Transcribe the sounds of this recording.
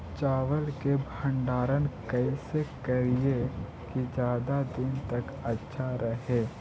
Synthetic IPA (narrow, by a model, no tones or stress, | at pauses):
t͡ʃaːʋəlkebʱə̃ɳɖaːɾənkəisekɐɾie | kid͡ʒjaːd̪ad̪ɪnt̪ɐk | ɐtːʃʰaɾəɦeː